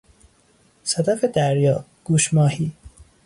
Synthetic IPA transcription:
sæd̪æfed̪æɾjɒː | ɡ̥uːʃmɒːhiː

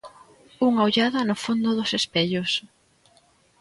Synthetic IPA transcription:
uŋaoʎaðɐnʊfond̪ʊðʊsespeʎʊs

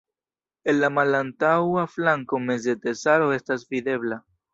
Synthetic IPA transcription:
enlamalant̪awaflaŋkomez̬d̪et̪esaɾoest̪asfiðeβla

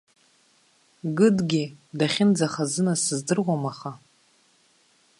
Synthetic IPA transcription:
ɡɨdɡʲɪdaχʲɪnd͡zaχazɨnasɨzdɨrʁʷamaχa

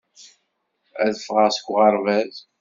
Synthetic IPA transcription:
æ̰ðəfʁəʁsə̥kʷːʁɑɾˤvæz

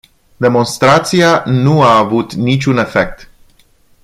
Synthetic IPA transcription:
d̪e̞mo̞nst̪ɾat̪sianuaːvut̪nit͡ʃʲune̞fe̞k̚t̪

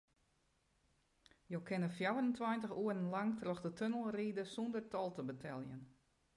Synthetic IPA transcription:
jowkʰɪnəfjawərəntʰwajntəxuərən̩laŋtrɔxdətʰønəlˠriːdəsundərtɔlˠtəbətʰɛlˠjən

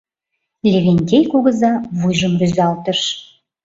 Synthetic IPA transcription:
lʲeβʲenʲt̪ʲejkuɣə̆zɑβujʒəmryzɑlt̪əʃ

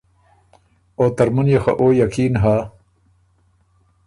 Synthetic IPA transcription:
oːt̪ɐɾmunjexɐ̰ʔoːjakʰiːnɦaː

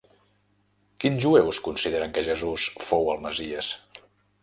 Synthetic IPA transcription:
kinʒuewskunsiðeɾəŋkəʒəzusfowəlˠməziəs

